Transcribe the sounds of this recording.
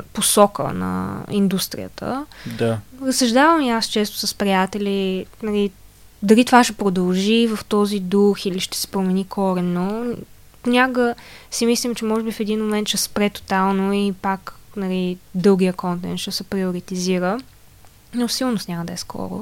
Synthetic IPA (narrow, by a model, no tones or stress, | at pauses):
posɔkə̰nɐ̰ind̪ust̪ɾḭjə̰t̪ʰə̰d̪aɾəsɐʒd̪avɐmiast͡ʃɛst̪ʊ̥səspɾijat̪ɛlinɐli | d̪ɐlit̪ovaʃɛpɾod̪ɐlˠʒivɐft̪ɔzid̪uxiliʃt̪ɛ̥sɛ̥pɾomɛnikʰɔɾɛmno | pnʲakɡəsimislʲimt͡ʃɛmɔʒɛbifɛd̪inmomɛnt̪ʃɛspɾɛt̪o̥t̪alˠnoipaknɐlid̪ɤlˠɡijəkɔnt̪ɛ̰nt̪ʃɛsɛpɾiʊɾit̪iziɾə | nosilˠnʊst̪nʲamɐd̪ɐɛskʰɔ̰ɾʊ̰